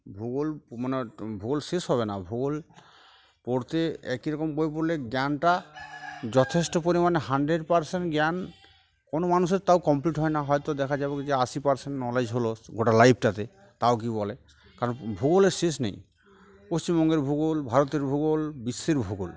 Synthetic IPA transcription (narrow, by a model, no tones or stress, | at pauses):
bʱuɡolmanebʱuɡolsesɦɔβena̰bʱuɡol | pɔɾt̪eɛkiɾɔkɔmbojepoɾleɡjanʈa | d͡ʒɔt̪ʰesʈɔpoɾimaneɦaɳɖɾeɖpaɾseɳʈɡjan | konomanus̬eɾt̪awkɔmpliʈɦɔenaɦɔjt̪ɔd̪ɛkʰad͡ʒabɔkid͡ʑeasipaɾseɳʈnɔled͡ʑɦoloɡoʈalajbʰʱʈat̪e | t̪aok̬ibɔle | kaɾɔnbʱuɡoleɾses̬nḛj | post͡ɕimbɔŋɡeɾbʱuɡolbʱaɾot̪eɾbʱuɡolbisːeɾbʱuɡol